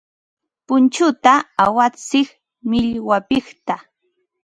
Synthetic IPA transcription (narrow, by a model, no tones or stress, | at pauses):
pʊnt͡ʃʊt̪aawat͡sɪχ | mɪʎwapɪχt̪a